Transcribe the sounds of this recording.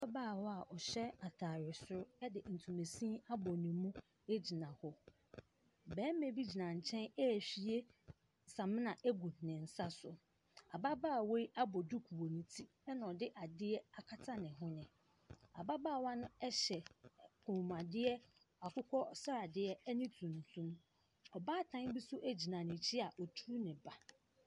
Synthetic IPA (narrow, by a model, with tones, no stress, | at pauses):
a˦baː˦˨wɔ˦a˨ʔɔ˨ɕɛ˦a˨tʰaː˨ɾɪ˨sʊ˦ɾʊ˦ɛ˦dɪ˨n̩˨tʰũ˨me˨sĩ˦a˦bɔ˨nĩ˨mũ˦ | e˦d͡ʑi˨nã˨hɔ˦ | bɛ̃ː˨˦mẽ˨bi˦d͡ʑi˨nã˨ɲ̩˨t͡ɕʰɛ̃˦nɛ˦˨fi˨˦e˦ | sã˨mɪ̃˦nã˨ʔe˦ɡu˨nɪ̃˨n̩˨sa˦sʊ˨ | a˨ba˦baː˦˨we˦i˦ʔa˦bɔ˨du˦kʰu˨wo˨nĩ˨tʰi˦ | ɛ˦nã˨ɔ˨dɪ˦ʔa˨dɪ˦ɛ˦a˨kʰa˦tʰa˦nɪ̃˨ɦʊ̃˦nɪ̃˨ | a̰˨ba˦baː˦˨wã˦nʊ̃˦ɛ˦ɕɛ˨kʰũ˨m˨a˨dɪ˦ɛ˦ | a˨kʰʊ˦kʰɔ˦sa˦a˨dɪ˦ɛ˦ɛ˦nĩ˦tʰũ˨n˨tʰũ˦m | ɔ˨baː˦˨tʰã˦n˦bi˦sʊ˦ʔæ˦d͡ʑi˨nã˨nɪ̃˨t͡ɕʰɪ˦a˨ʔɔ˨tʰu˦nɪ̃˨ba˨